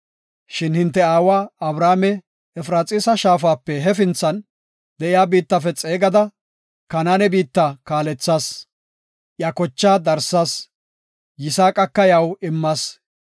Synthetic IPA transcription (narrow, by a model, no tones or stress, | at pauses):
ʃɪnhɪnt̪̬ːɛaːwaːɐbɾaːmɛ | ɛfɾaːt͡sʼɪsɐʃaːfaːpːɛɦɛfɪnt͡sːɐn | d̪ɛʔɪjaːbiːt̪ːɐfɛt͡sʼeːɡɐd̪ɐ | kɐnaːnɛbiːt̪ːakaːlɛt͡sːaːs | ʔjɐkɔt͡ʃːaːd̪ɐɾsaːs | jɪsaːkʼɐkːɐjɐwɪmːaːs